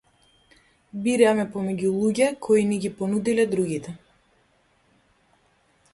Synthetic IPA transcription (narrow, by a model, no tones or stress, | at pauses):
biɾɛmɛpɔmɛɟulˠuɟɛkʰɔiniɡʲipɔnud̪ilɛd̪ɾuɡit̪ɛ